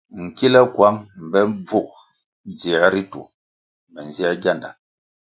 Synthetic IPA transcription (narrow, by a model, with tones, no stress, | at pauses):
ŋ̩˨ki˦lə˦kwa˦ŋm̩˨bɛ˦ɱ˦b͡vu˦˨k̚ | d͡zi˨a˦ɾi˦tṵ˨ | mɛ˨n̩˨za˦ɡja˦˨nda̰˨